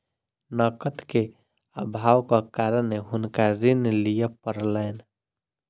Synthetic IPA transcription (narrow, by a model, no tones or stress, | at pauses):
nəkət̪ke | əbʱaːwkakaːɾənːeɦʊnkaɾɪnlijəpəɾlɛːn